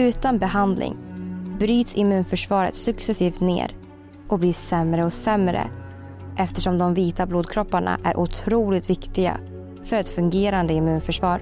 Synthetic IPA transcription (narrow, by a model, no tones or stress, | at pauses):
ʉ̟ːt̪anbɛɦand̪lɪ̰ŋbɾyːt̪sɪmʉ̟ːnfœʂvɑːɾə̰t̪sɵksɛsiːft̪nḛːɾ | ʔɔbliːsɛmɾəɔsɛmɾə̰ | ʔɛft̪ɛʂɔmd̪ɔmviːt̪abluːd̪kʰɾɔpːaɳa̰ʔæ̰ɾʔʊt̪ʰɾuːlɪt̪vɪkt̪ɪɡa̰ | fœɾɛt̪fɵŋɡeːɾand̪əɪmʉ̟ːnfœʂvɑːɾ